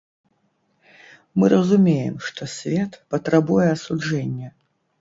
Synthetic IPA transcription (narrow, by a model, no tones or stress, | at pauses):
mɨrʔɐzumʲejɛ̰mʂt̪ɔsʲvʲɛt̪pɐt̪ɾɐbujɛɐsud͡ʐɛnʲːɛ